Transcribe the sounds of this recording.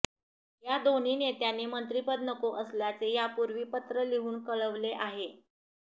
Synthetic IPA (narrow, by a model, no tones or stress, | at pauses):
jad̪on̤iːnet̪janeːmənt̪ɾipəd̪nəkoʔəsljat͡sejapuɾʋiːpət̪ɾəliɦuːnkəɭəʋleʔaɦe